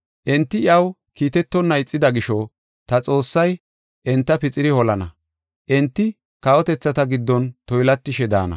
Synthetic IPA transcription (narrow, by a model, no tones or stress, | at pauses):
ʔɛnt̪ːɪɪɐw | kiːt̪ɛt̪ːɔnːɐjɪt͡sʼːɪd̪ɐɡɪʃɔ | t̪ɐt͡sʼo̞ːsːɐj | ʔɛnt̪ːɐpɪt͡sʼɪɾɪhɔlɐnɐ | ʔɛnt̪ːɪ | kɐwɔt̪ɛt͡sːɐt̪ɐɡɪd̪ːɔnt̪ɔjlɐt̪ːɪʃɛd̪a̰ːnɐ̰